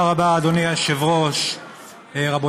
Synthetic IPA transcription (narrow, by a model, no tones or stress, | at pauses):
ʁabaːd̪oniaʃevʁoʃ | ʁabo